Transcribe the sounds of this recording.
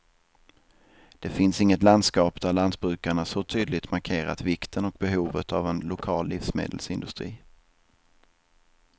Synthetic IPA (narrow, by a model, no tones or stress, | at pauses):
d̪̥ɛfɪnsɪŋːət̪land̪skɑːpd̪æɭand̪̚bɾʉ̟ːkaɳasɔt̪ʰyːd̪lɪt̪maɾkʰeːɾa̰t̪vɪkt̪ʰənɔk̚bɛɦuːvət̪ʰavɛnlʊkʰɑːlːiːfsmḛːd̪əlsɪnd̪ɵst̪ɾḭː